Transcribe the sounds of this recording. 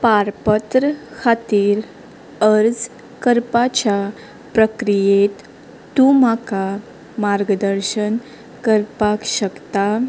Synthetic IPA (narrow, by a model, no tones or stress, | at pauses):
paɾpət̪ɾəkʰat̪iːɾ | əɾd͡z | kəɾpat͡ɕa | pɾəkɾijet̪ː | ũmaka | maɾɡəd̪əɾɕən | kəɾpakɕəkt̪a